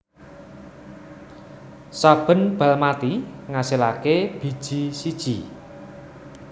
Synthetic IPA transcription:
sab̥ə̤nb̥a̤lmat̪iŋasilakeb̥i̤d̥ʒ̥i̤sid̥ʒ̥i

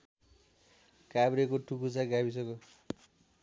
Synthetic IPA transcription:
kabɾekoʈukut͡saɡabisʌko

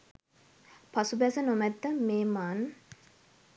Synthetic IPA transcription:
pasubæsənomɛt̪ːəmeːmaːn

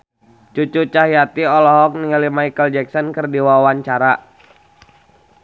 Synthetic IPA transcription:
t͡ʃut͡ʃut͡ʃaɦijat̪iɔlɔɦɔk̚niŋəlimaikəld͡ʒɛksɔnkərdiwawaɲt͡ʃaɾa

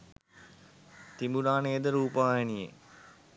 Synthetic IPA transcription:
t̪imbuɾaːnejəd̪əɾuːpaajenijḛ

